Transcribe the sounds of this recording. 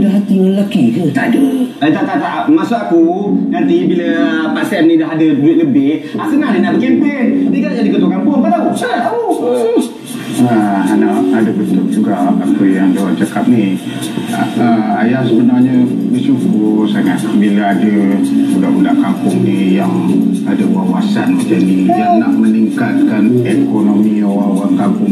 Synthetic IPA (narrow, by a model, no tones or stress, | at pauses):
daɦat̪iləlakikət̪aʔdət̪aʔt̪aʔt̪aʔmasoʔakunant̪ibiləpasɛnːĩdaɦadəduɪt̪̚ləbɪhaʔsəŋahninaʔbəkempendikad͡ʒadikət̪ukampʊnpadausaŋaauə | əanaadəbənt̪ʊk̚d͡ʒuɡaʔakəjaŋdawat͡ʃakap̚ni | əajahsəbənarɲəbəsukusaŋat̪̚bilaadəulaʔulaʔkampʊŋnijaŋ | adəwawasanməd͡ʒanijanaʔməniŋkat̪̚kanekonomiawawaŋkapʊŋ